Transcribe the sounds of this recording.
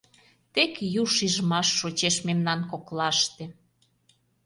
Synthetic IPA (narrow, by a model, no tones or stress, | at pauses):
t̪ekjuʃiʒmɑʃːot͡ɕeʃmemnɑnkoklɑʃt̪ĕ